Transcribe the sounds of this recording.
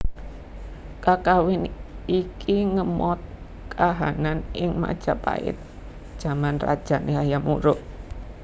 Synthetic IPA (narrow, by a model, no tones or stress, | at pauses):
kakawɪnikʰiŋəmɔt̪̚ | kʰaɦananʔɪŋma̰d̥ʒ̥apa̰ɪ̰t̪̚ | d̥ʒ̥a̤manra̰d̥ʒ̥a̤nʔeɦajamuɾʊʔ